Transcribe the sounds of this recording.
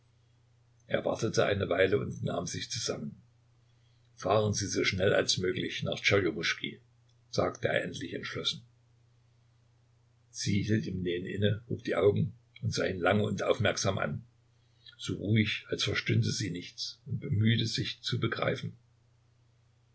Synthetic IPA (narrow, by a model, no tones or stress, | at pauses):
ʔʔḛːɐva̰ɐtətʰəʔa̰ɪnəvaɪləʊntna̰ːmzɪçt͡suzamən | faːʁənziːzoːʃnɛla̰lsmøːklɪçna̰ːχt͡ʃajoʁʊʃkʰḭ | z̥aːk̚tʰəḛːɐʔɛntʰlɪçɛntʃlɔsn̩ | z̥iːhiːltiːmneːənʔɪ̰nəhṵːp̚d̥iːʔaʊɡŋ̩ | ʔʊntz̥aːiːnlaŋəʊntʔaʊfmɛɐkz̥aːmʔa̰n | z̥oːʁuːɪçalsfɛɐʃtʏntəziːnɪçt͡sʊnt̚b̥əmyːtəzɪçt͡subəɡʁa̰ɪfn̩